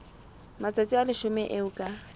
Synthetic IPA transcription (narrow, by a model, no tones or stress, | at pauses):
mat͡sʼat͡sʼialɪʃʊmɛʔeʊkʼa